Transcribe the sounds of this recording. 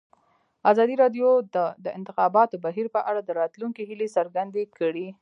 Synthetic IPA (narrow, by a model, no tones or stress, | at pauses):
azɑd̪iɾɑɖjod̪əd̪əɪ̰nt̪ɪxɑbɑt̪obaɦiɾpəʔaɽad̪əɾɑt̪luŋkeɦilesəɾɡand̪ekəɽi